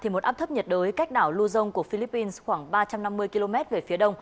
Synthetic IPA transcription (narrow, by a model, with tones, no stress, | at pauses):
t̪ʰi˨˩mo˨˩t̚ʔaː˦˥p̚t̪ʰp̚ɲə˨˩t̚ɗəː˨˦jka˦˥jk̟̚ɗaː˧˩wlu˧zə˧wŋ͡mku˧˩əfi˧li˦˥pːi˧nsxwaː˧˩ŋɓaː˧t͡ɕa˧mna˧mːɨ˧əjki˧lo˧mɛ˦˥t̚ve˨˩fi˨˦ɗə˧wŋ͡m